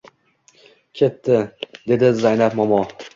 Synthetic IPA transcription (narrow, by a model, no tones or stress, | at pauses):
kʲʰe̞t̪ːɪd̪e̞d̪ɪzajnapmɒmɒ